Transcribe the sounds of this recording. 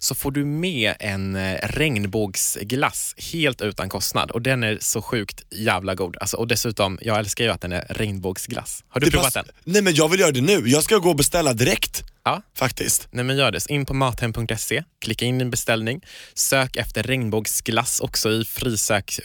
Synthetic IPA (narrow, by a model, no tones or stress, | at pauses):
sɔfoːɖɵmɛːɛnɾɛŋnbuːɡsɡla̰sheːlt̪ʉ̟ːt̪ankʰɔst̪na̰d̪ɔd̪ɛnæɾʂɔɧʉ̟ːkt̪jæːvlaɡuːd̪a̰lsɔʔɔd̪ɛsʉ̟ːt̪ɔmjʔɑːɡɛlskaɾjɵat̪̚d̪ɛnæ̰ɾɾɛŋnbuːɡsɡlʔa̰shaɖɵppɾuvatd̪ɛ̰nnɛmɛnjɑːɡvɪljœːɾad̪ɛnʉ̟ːjɑːɡskaɡoːɔbɛst̪ɛlːad̪ɪɾɛkt̪ɑːfakt̪ʰɪ̰st̪nɛmɛnjœːɖɛsɔʔɪnːpʰɔmɑːt̪hɛmpʰɵŋkt̪ɛsekʰlɪkːaɪnːɪɛnbɛst̪ɛlnɪŋsøːkɛft̪əɾːɛŋnbuːɡsɡlasːɔksɔɪfɾiːsøːk